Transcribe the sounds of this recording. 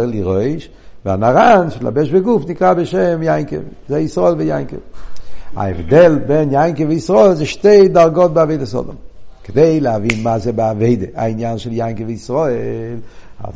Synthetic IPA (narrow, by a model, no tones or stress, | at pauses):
lˠiʁoɪʃ | va̰naɾanʃɪla̰bɛʃbɪɡufnɪkɾabɪʃɛmjaɪŋkə̰v | zaɪisʁɔɪlˠvijaɪŋkə̰v | a̰ɛ̰vdɛlˠbɛnjaɪŋkəvɪisʁɔɛlˠzeɪʃteɪt̚daɾɡɔt̚bɪaveɪdəsɔ̰dɔ̰mkədeɪlˠavinmaːzebɪaveɪdəʔaɪnjanʃɪljaɪŋkəvɪisʁɔelˠ | a̰z